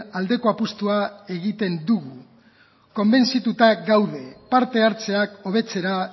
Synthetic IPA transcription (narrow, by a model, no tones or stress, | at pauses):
ald̪e̞ko̞apust̪uae̞ɣit̪e̞nd̪uɣu | ko̞mbe̞nsit̪ut̪aɡawðe̞paɾt̪e̞aɾt͡se̞ako̞β̞e̞t͡se̞ɾa